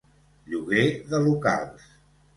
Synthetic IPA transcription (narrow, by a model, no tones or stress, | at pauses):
ʎuɣeðəluka̰lˠs